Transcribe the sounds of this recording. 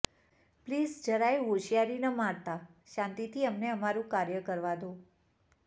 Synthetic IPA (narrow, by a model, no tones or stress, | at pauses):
plizd͡ʒəɾajɦoʃijaɾinəmaɽt̪aʃãnt̪it̪ʰiəmneəmaɾũkaɾjəkəɾʋad̪u